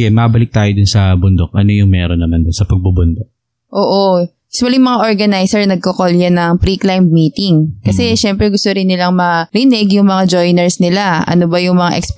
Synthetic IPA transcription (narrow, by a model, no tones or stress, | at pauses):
ɛmɐbɐlɪk̚t̪aːjod̪ʊnsɐbʊnd̪ok̚ʔɐno̞jʊŋmɛɾonːɐmand̪ʊnsɐpɐɡ̚bʊbʊnd̪ok̚ | ʔoːʔo | smɐliŋmɐŋaʔoɹɡɐnajsɛɹnɐɡ̚kɐkoljɐnɐŋpɾiklajmmiːt̪ɪŋkɐsɛʃɛmpɾɛɡʊst̪oɾɪnːɪlaŋmɐɾɪnɛɡjʊŋmɐŋad͡ʒojnɛɹsnɪlaɐ̰no̞bɐjʊŋmɐŋaʔɛks